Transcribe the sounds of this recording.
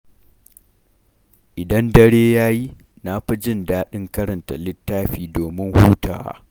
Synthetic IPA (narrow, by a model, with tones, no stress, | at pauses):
ʔɪ˨dɐ˦ndɐ˦ɽeː˦jaː˦ji˦ | na˦ɸɐ˦d͡ʒɪ˦ndaː˦ɗɪ˦ŋkɐ˦ɾɐ˨nta̰˨lɪ˦tːaː˦ɸiː˨doː˨mɪ˦ŋhuː˦ta̰ː˨wa̰˦